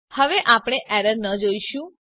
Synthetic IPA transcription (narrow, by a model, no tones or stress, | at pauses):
həʋeʔapɳ̃eʔɛɾəɾnəd͡ʒoiʃũ